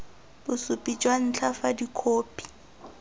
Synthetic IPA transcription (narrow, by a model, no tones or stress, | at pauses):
bʊsʊpʼit͡ʃʼwan̩t͡ɬʰafadikʰoːpʼi̥